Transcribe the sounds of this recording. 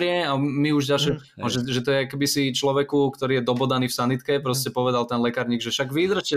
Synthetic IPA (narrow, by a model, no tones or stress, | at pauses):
ɾɪɛamiuʒɟalʃɛ | ɔʒɛʒɛt̪ɔjɛakɛbisit͡ʃlɔʋɛkukt̪ɔɾiːjɛd̪ɔbɔd̪aniːfsanit̪kɛpɾɔscɛpɔʋɛd̪alt̪ɛnlɛkaɾɲiːɡʒɛʃaɡʋid̪r̩ʃcɛ